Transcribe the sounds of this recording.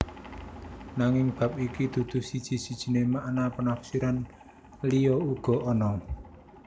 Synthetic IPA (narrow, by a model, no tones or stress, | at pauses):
naŋɪŋb̥ä̤p̚ikid̪̥ṳd̪̥ṳsid̥ʒ̥i̤sid̥ʒ̥i̤nemaʔnapənafsiɾan | lijɔuɡ̥ɔ̤ʔɔnɔ